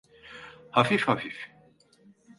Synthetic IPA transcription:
hɐfifhɐfif

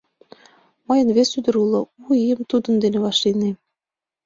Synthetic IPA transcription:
mɤjə̆nβesyd̪ə̆ɾulˠɤ̆uijəmt̪ud̪ə̆nd̪enĕβɑʃline

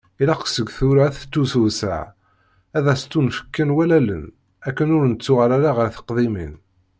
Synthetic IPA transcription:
ilaqsəɡθʊɾaθə̥t̪ːusuvsə̰ʕ | æðæst̪unfə̥kːənwælælə̰n | ækːənʊɾnət͡sːʊʁaɾaɾaʁəɾθə̥qðˤimḭn

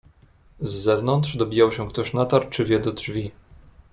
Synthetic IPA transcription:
zːɛvnɔnt̪ʂd̪ɔbʲijawɕɛkt̪ɔɕnat̪aɾt͡ʂɘvʲjɛd̪ɔdʐvʲi

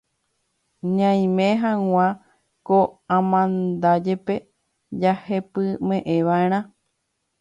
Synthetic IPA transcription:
ɲãj̃mẽɦãŋ̃ʷã | koãmãnd̪ad͡ʒe̞pe̞ | d͡ʒahe̞pɨmẽ̞ʔẽʋaeɾ̃ã

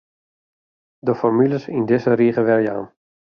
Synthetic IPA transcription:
dəfɔrmyləsindɪzəɾiːχəʋɛlja̰ːn

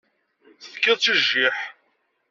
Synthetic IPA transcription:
θəfkːɪðˤt͡siʒːiħ

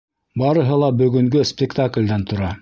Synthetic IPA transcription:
bɑɾɤ̆ɦɤ̆lˠɑbɵ̆ɡɵ̆ŋɡɵspʲɪkt̪aklʲd̪ænt̪ŏɾɑ

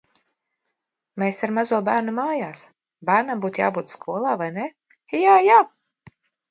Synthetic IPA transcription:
meːsaɾmazuɔbæːɾnumaːjaːs | bæːɾnambuːt̪ja̰ːbuːt̪skʰuɔlˠaːvajne | jaːjaː

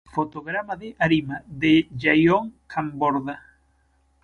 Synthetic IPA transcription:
fot̪oɣɾamaðɪʔaɾimaðeʝajoŋkʰamboɾða

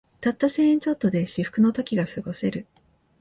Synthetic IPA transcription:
t̪at̪ːoseːĩɲt͡ɕo̞t̪ːo̞d̪e̞ɕiɸɯ̟̥kɯ̟no̞t̪o̞kʲiɡasɨɡo̞se̞ɾɯ̟

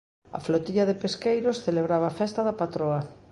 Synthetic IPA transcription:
ɐ̰flot̪iʎɐðɪpeskejɾosθeleβɾaβaːfɛst̪ɐðɐpat̪ɾoɐ

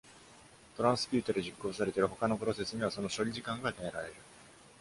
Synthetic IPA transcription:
t̪o̞ɾãɰ̃sɨ̥pʲɨːt̪o̞d̪e̞ʑikːo̞ːsaɾe̞t̪e̞ɾɯ̟ho̞kano̞pɯɾo̞se̞sɨɲ̟ʲiβ̞aso̞no̞ɕo̞ɾʲiʑikãŋɡad̪eeɾaɾe̞ɾɯ̟

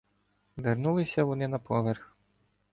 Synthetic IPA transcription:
ʋɪrnulˠɪsʲɐʋɔnɪnɐpʰɔʋɛrx

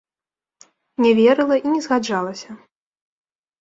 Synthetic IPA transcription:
nʲɛvʲɛɾɨlˠɐʔinʲɛzɣad͡ʐalˠɐsʲɐ

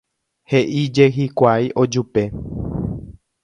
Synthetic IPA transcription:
heʔid͡ʒe̞ɦikʷajʔo̞d͡ʒupe̞

